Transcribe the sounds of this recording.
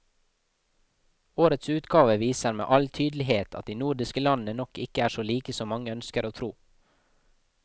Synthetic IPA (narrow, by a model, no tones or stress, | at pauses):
oːɾət̪sʉːt̪ɡɑːʋəʋiːsəɾmḛːʔɑlt̪ʰyːd̪lɪɦeːt̪ʰɑt̪̚d̪iːnuːɖɪskəlɑnənɔkɪkəæːʃoːliːkəsɔːmɑŋəœnskəɾoːt̪ʰɾuː